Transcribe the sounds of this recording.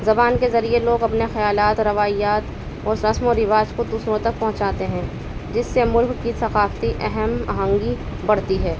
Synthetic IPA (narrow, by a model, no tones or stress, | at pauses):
zɐbaːnkezɐɾieloːɡɐpnexɐjaːlaːt̪ɾɐʋaːijaːt̪ | ɔːɾɾɐsmoɾɪʋaːd͡ʒkod̪uːsɾõt̪ɐk̚pɐ̃ɦʊ̃t͡ʃaːt̪eɦɛ̃ː | d͡ʒɪsːemʊlkkisɐqaːft̪iʔɛɦɛmɐ̰ɦãːŋɡibɐɽt̪iɦɛː